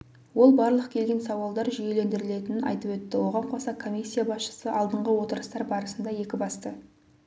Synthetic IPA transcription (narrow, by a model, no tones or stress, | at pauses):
wo̞lˠbɑɾlˠəqkʲʰe̞lɡʲe̞nsɑwɑlˠd̪ɑɾʒʏje̞le̞nd̪ɪɾɪle̞t̪ɪnɪnɑ̰jt̪əpwɵt̪ːɪwo̞ʁɑɴqʰosɑkʰo̞mʲisʲːijabɑsʃə̥səʔɑlˠd̪əɴʁəwo̞t̪əɾəst̪ɑɾbɑɾəsənd̪ɑje̞kʲɪbɑst̪ə